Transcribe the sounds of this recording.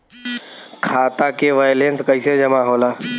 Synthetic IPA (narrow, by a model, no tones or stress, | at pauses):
kʰaːt̪aːkeʋaːjlẽːnskəɪsed͡ʒəmaːɦoːlaː